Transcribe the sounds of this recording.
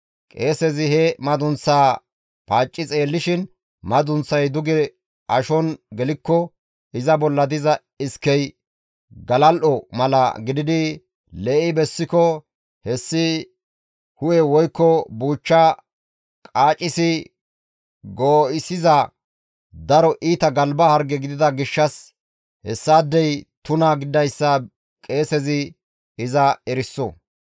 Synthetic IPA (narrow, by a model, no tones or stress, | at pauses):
kʼeːsɛzɪɦɛmɐd̪ʊnt͡sːaː | paːt͡ʃʼːɪt͡sʼe̞ːlːɪʃɪn | mɐd̪ʊnt͡sːɐjd̪ʊɡɛ | ʔɐʃɔnɡɛlɪkːɔ | ɪzɐbɔlːɐd̪ɪzɐ | ɪskːɛj | ɡɐlɐlʔɔmɐlɐ̰ɡɪd̪ɪd̪ɪ | lɛʔɪbɛsːɪkɔ | hɛsːɪ | hʊjɛwɔjkːɔbuːt͡ʃːɐ | kʼaːt͡ʃʼɪsɪ | ɡoːɪsɪzɐ | d̪ɐɾɔʔiːt̪ɐɡɐlbɐhɐɾɡɛɡɪd̪ɪd̪ɐɡɪʃːɐs | hɛ̰sːaːd̪ːɛjt̪ʊnɐɡɪd̪ɐjsːɐ | kʼe̞ːsɛzɪ | ɪzɐɛɾɪsːɔ̰